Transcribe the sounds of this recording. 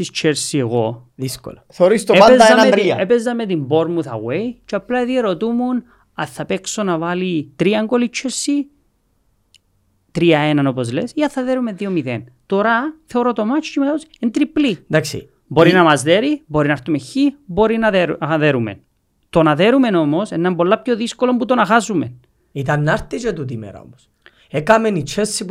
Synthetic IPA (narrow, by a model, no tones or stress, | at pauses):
ist͡ʃʰeɾsieɣo | ðisko̰loθeoɾist̪oeaezɐeɐɐɾiɐepezːɐmet̪imbo̞ɾmuθɐ̰ɣweit͡ʃeɐplɐeðieɾo̞t̪umun | ɐθːɐpeksonɐvɐlit̪ɾiɐŋɡolit͡ʃʰːesːi | t̪ɾiɐenɐnopozlesiɐθɐðeɾumeðiomiðḛnt̪oɾɐθeoɾot̪o̞mɐt͡ʃcimeosent̪ɾiplid̪aksḭ | bo̞ɾinɐmɐzðeɾiboɾinɐɾt̪umeçːiboɾinɐðeɾɐðeɾumḛn | t̪o̞nɐðe̞ɾume̞no̞mosenːɐmbo̞lːɐpçoðiskolombut̪o̞nɐxasumen | it̪ɐnːɐɾt̪id͡ʒet̪ut̪̬imḛɾɐ̰o̰mos | ekɐmenit͡ʃʰesːip